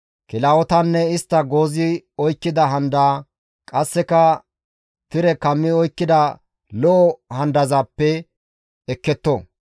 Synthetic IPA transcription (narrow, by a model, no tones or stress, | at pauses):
kɪlaːwɔt̪ɐnːɛɪst̪ːɐɡo̞ːzɪɔjkːɪd̪ɐɦɐnd̪aː | kʼɐsːɛkɐ | t̪ɪɾɛkɐmːɪɔjkːɪd̪ɐ | lɔʔɔhɐnd̪ɐzaːpːɛ | ɛkːɛt̪ːɔ